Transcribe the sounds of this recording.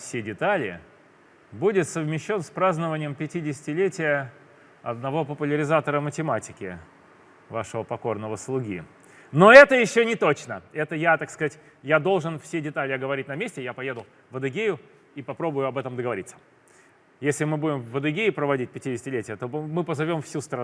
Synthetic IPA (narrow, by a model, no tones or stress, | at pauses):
fsʲedʲɪt̪alʲɪ̰ | budʲɪt̪səvmʲɪɕːo̞nspɾaznəvənʲɪjəmpʲɪtʲidʲɪsʲɪtʲɪlʲetʲɪjə | ɐd̪nɐvo̞pəpʊlʲɪɾʲɪzat̪əɾəmətʲɪmatʲɪkʲɪ̰ | vaʂəvəpɐko̞rnəvəslˠʊɡʲḭ | no̞ɛt̪əjɪɕːonʲɪt̪o̞t͡ɕnəɛt̪əjat̪akskɐzatʲ | jad̪o̞lˠʐɨnfsʲedʲɪt̪alʲɪɐɡəvɐɾʲitʲnɐmʲesʲtʲɪjapɐjed̪ʊlˠ | vəd̪ɨɡʲejʊ | ipɐpɾo̞bʊjʊɐbɛt̪əmd̪əɡəvɐɾit̪sə̥ | jesʲlʲɪmɨbudʲɪmvːəd̪ɨɡʲejɪpɾəvɐdʲit̚ʲpʲɪtʲidʲɪsʲɪtʲɪlʲetʲɪjət̪o̞mɨpəzɐvʲo̞mfsʲust̪ɾɐ